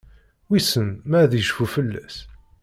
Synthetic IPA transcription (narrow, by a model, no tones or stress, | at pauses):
wisənmæðjəʃfufəlːæ̰s